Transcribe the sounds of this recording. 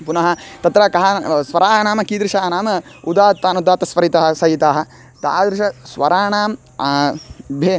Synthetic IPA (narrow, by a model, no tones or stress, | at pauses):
punɐɦɐ̆t̪ɐt̪ɾɐkɐɦɐsʋɐɾaːnaːmɐkid̪ɾɪʃaːnaːmɐud̪aːt̪ːaːnud̪aːt̪ɐsʋɐɾit̪ɐɦɐsɐjit̪aːɦɐ̆ | t̪a̰ːd̪ɾɪʃɐsʋɐɾaːnaːm | bʱeː